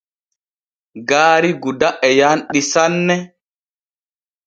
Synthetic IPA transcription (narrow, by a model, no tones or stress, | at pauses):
ɡaːɾiɡudaʔɛjaːnɗisanːɛ